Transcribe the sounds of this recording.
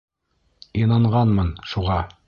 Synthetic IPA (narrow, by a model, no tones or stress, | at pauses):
inɑɴʁɑnmɤnʃuʁɑ